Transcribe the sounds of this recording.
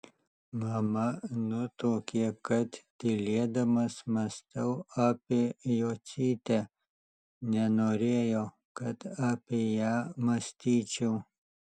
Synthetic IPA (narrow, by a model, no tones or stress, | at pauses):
maːmɐnut̪oːkiekɐt̪t̪iled̪ɐmɐsmɐst̪ɐwapejot͡siːt̪e | nanoɾejo | kɐt̪apejamɐst̪it͡ɕuw